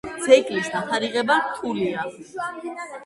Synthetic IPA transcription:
d̪z̥ɛkʼlisd̪apʰaɾiʁɛbaɾt̪ʰulia

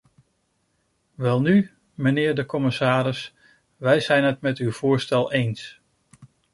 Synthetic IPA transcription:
ʋɛlˠny | mənɪːɹdəkɔmɪsaːɾɪs | ʋɛjzɛjnɦətmɛtywv̥ʊːɹstɛlˠejns

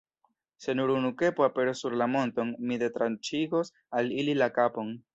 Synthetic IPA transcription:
se̞nuɾunuke̞poape̞ɾosuɾlamo̞nto̞nmide̞tɾant͡ʃiɡo̞s | alililakapo̞n

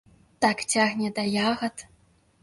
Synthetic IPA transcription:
t̪aktʲaɣnʲɛd̪ɐjaɣɐt̪

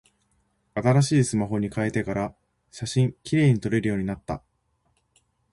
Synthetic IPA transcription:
at̪aɾaɕiːsɨmaɦo̞ɲ̟ikae̞t̪e̞kaɾa | ɕaɕĩŋkʲiɾe̞ːɲ̟it̪o̞ɾe̞ɾɯ̟jo̞ːɲ̟inat̪ːa̰

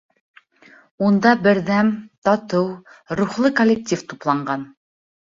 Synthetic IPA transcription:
und̪ɑbɘ̆ɾðæmt̪ɑt̪ɤwɾuχlˠɤkolʲːɪk̚tʲift̪uplˠɑɴɢɑn

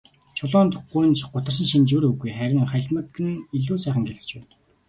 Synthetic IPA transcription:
t͡ɕʰʊɮɔːnt̪ʰʊχujnt͡ɕɢʊt̪ə̆rs̬ə̆nʃint͡ɕuɾɵɣujχæɾʲɪ̆ŋχæɮʲmə̆t̪ɡɘ̆n̆iɮuːsæːχə̆ŋɡeɮt͡ɕpeː

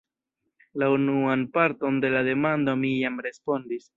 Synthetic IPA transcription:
launuanpaɾto̞nde̞lade̞mando̞mijamɾe̞spo̞ndis

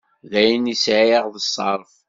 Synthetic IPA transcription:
ðæjənisʕəʁðəsˤːɑ̰ɾˤf

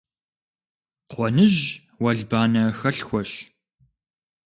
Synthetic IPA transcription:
qʷɔnɨʒ | wɐɮbaːnɐxɐɬxʷɔʃ

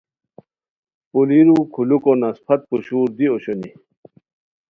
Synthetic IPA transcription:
puliɾukʰulukonɐspʰɐt̪̚puɕuːɾd̪ioɕoni

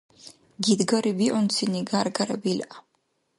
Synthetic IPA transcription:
ɡid̪ɡaɾibiʔɔnt̪sʰiniɡaɾɡaɾabila

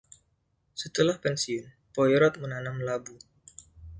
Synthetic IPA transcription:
sət̪əlahpɛnsiʊn | pɔjɾɔt̪̚mənanamlabu

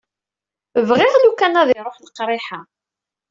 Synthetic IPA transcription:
vʁɪʁlukːænæðɪɾˤoħləqːɾˤɪħa

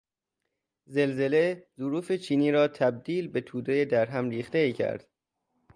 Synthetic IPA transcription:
ze̞lze̞le̞zuɾuːfe̞t͡ʃʰiːniːɾɒːt̪ʰæb̚d̪iːlbe̞t̪ʰuːd̪ejed̪æɾɦæmɾiːxt̪eiːcʰæ̰ɾd̪̥

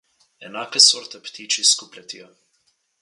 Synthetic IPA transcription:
ɛnaːkɛsɔɾt̪ɛpt̪iːt͡ʃiskuplʲɛt̪ia

